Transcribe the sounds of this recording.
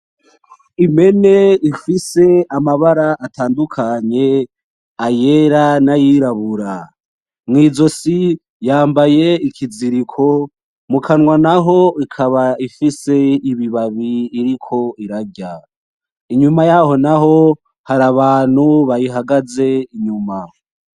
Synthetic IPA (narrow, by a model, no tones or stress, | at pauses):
ime̞ne̞ifise̞amaβaɾaatʰaːndukʰaɲe̞ | aje̞ɾanajiɾaβuɾa | mŋiːzo̞si | jaːmbaje̞ikʰiziɾikʰo̞ | mukʰanŋwanaɦo̞ikʰaβaifise̞iβiβaβiːɾikʰo̞iɾaɟa | iɲumajaho̞naɦo̞ | haɾaβaːn̥huβajiɦaɡaze̞iɲuma